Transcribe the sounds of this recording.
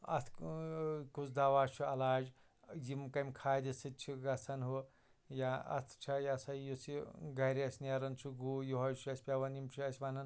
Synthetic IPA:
ɐ̰t̪ʰ | kut͡sd̪aʋaːt͡ʃʰuɐlaːd͡ʒ | jimkɐmʲkʰaːjd̪isit̪̚t͡ʃʰiɡɐt͡sʰɐnɦo | jaɐ̰t̪ʰt͡ʃʰɐjasɐjjosʰiɡɐɾiɐsʲnaɾɐnt͡sʰuɡuːjuɦɐjt͡ʃʰuɐsʲpʲaʋɐnimt͡ʃʰuɐsʲʋanɐn

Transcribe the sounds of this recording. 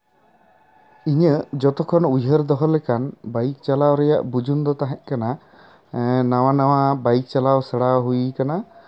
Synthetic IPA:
iɲəd͡ʒɔt̪ɔkʰɔnujɦəɾd̪ɔɦɔlɛkanbajk̚t͡ʃalawɾɛja̰ʔbud͡ʒʱund̪ɔt̪aɦɛ̃ʔkana | naw̃anawabajk̚t͡ʃalawsəɽawɦujkana

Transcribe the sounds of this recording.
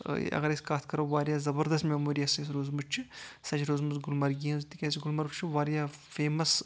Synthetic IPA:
ɐ̰ɡɐɾeskaːt̪ʰkɐɾoːʋaːɾʲjaːzɐbɐɾd̪ɐst̪mʲeːmoːɾijasɐs̬ɾoːzmut͡ʃt͡ʃʰisɐt͡ʃʰɾoːzmuzɡʊlmɐɾɡiɐ̃zt̪ikʲɛːsiɡʊlmɐɾbt͡ʃʰuʋaːɾjaːfeːmɐs

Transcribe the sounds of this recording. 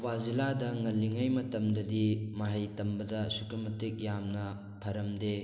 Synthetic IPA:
balziladɐŋɐlːiŋajmɐtɐmdɐdimɐɦɐjtɐmbɐdɐsukumɐtik̚jamnɐ | pʰɐɾɐmde

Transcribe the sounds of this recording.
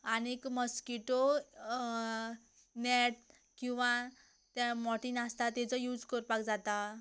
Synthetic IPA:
anekməskiʈo | nɛʈ̚ | kĩw̃ʋã | t̪amɔʈinast̪at̪ɛ̃t͡sɔjuːd͡zkəɾpakd͡zat̪a

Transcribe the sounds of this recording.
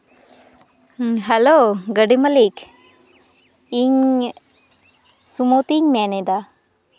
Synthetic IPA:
ɦɛloɡəɖiməlik | iɲ | sumot̪iɲmɛnɛd̪a

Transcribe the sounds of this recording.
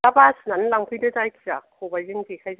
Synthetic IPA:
labasnanlaŋpʰɯjdɯzajkʰiza̰kʰobajzɯŋzikʰajz

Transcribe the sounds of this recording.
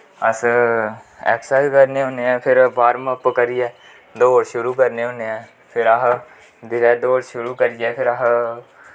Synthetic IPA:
əs | ɛ̰ːksaːkəɾneːɦõːneːɛ̃ːpʰɪɾbaːɾməpkəɾijɛː | d̪oːɽʃʊɾuːkəɾneːɦõːneːɛː | pʰɪɾaɦ | d̪ɪɾɛːd̪oːɽʃʊɾuːkəɾijɛːpʰɪɾaɦ

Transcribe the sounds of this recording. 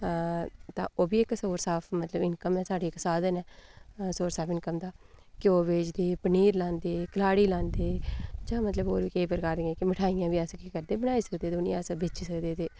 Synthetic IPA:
t̪ã̰ːʔoːbiːɪksoːɾsaːpʰmət̪ləbɪnkəmɛːsaːɖeːksaːd̪ənɛːsoːɾsaːpʰɪnkəmd̪aːkɪoːʋeːt͡ʃd̪eːpəniːɾlãːnd̪eːkəlaːɽiːlãːnd̪eːd͡ʒãːmət̪ləboːɾʋiːkeːpəɾkaːɾd̪ĩːɛ̃ːkɪmɪʈʰaːijãːʋiːəskiːkəɾd̪eːbəɽ̃aːiːsəkd̪eːd̪ʊnḭ̃əsbet͡ʃiːsəkd̪eːt̪eː

